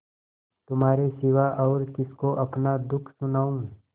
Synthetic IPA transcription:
t̪ʊmɦaːɾesɪʋaʔɔːɾkɪskoʔɐpnad̪ʊkʰsʊnaːũː

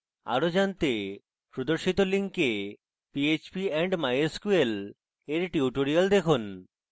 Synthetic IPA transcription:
a̰ɾod͡ʑant̪e | pɾod̪oɾʃit̪oliŋke | piet͡ɕbiɛɳɖmajeskuel | eɾʈiuʈoɾiald̪ekʰun

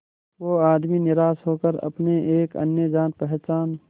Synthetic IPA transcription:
ʋoːaːd̪minɪɾaːsɦoːkəɾɐ̰pneʔeːkɐ̰njəd͡ʒãːt̪̚pɛɦt͡ʃaːn

